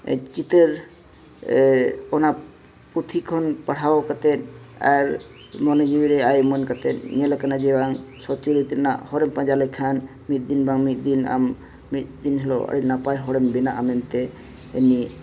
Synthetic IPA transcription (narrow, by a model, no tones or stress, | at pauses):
t͡ʃit̪eɾ | ɔna | put̪ʰikʰɔnpaɽ̤ʰawkat̪ɛna̰ɾ | mɔned͡ʒiwiɾeajmɔnkat̪ɛnɲɛlakanad͡ʒɛbaŋsɔt͡ʃuɾit̪ina̰hɔɾɛmpãd͡ʒalɛkʰan | mit̪̚d̪inbaŋmit̪̚d̪ina̰mː | it̪̚d̪inɦɛloa̰ɽinapajɦɔɽɛmbinaʔamɛnt̪ɛ | eni